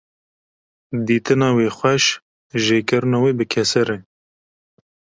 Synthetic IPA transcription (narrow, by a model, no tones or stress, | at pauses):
d̪iːt̪ɨnɑːweːxʷɛʃ | ʒeːkɨɾɨnɑːweːbɨkʰɛsɛɾe